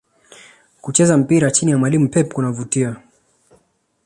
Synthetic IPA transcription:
kut͡ʃɛzam̩piɾat͡ʃinijamwalimupɛpkunavutia

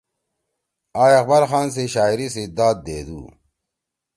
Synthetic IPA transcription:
aːjɐxbɐɾxaːns̬eɕaːiɾised̪aːd̪̚d̪eːd̪ṵː

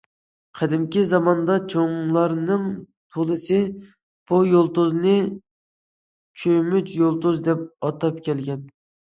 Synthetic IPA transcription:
qʰæd̪ɪmkʲizɑmɑnd̪ɑt͡ʃʰoŋlˠɑɾnɨŋ | t̪ʰolˠɨsɨ | b̥ujolˠt̪uznɨ | t͡ʃʰøjmyt͡ʃjolˠt̪uzd̪ɛp̚ɑt̪ɑp̚kʲʰɛlɡʲɛn

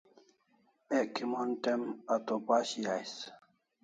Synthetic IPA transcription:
eʔkimontemat̪opaɕijajs

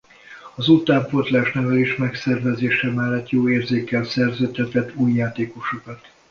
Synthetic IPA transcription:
ɒzut̪aːmpot̪laːʃnɛvɛleːʃmɛksɛrvɛzeːʃɛmɛlːɛt̪joːeːrzeːkɛlsɛrzɛt̪ːɛt̪ːɛt̪ːuːjːaːt̪eːko̞ʃokɒt̪

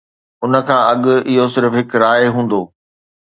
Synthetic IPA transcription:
ʊnə̆kʰãːɐɠʊɪɦosɪɾfɦɪkɾaːeɦũːn̆d̪oː

